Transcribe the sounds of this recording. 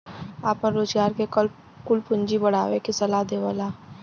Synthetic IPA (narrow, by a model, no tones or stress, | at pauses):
aːpəɾɾoːd͡ʒɡaːɾkekəl | kʊlpʊ̃ɲd͡ʒibɐɽ̤aːwekisɐlad̪eːʋaːlaː